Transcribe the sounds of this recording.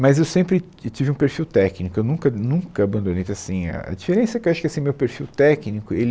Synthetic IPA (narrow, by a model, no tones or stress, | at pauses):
mɐzewsẽpɾɪ | t͡ʃivɪũpeɾfiwt̪ɛknikʊewnũŋkɐnũŋkɐabɐ̃nd̪õnẽjt̪asĩɐ̰ɐ̰d͡ʒifeɾẽsɐkewaʃʊ̥kɪasĩmewpeɾfiwt̪ɛknikʊel